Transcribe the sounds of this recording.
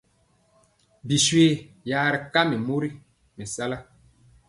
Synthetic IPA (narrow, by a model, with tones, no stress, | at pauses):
bi˨swe˦ | jaː˨ɾi˨ka˦mi˨mu˦ɾi˦ | mi˨sa˦la˦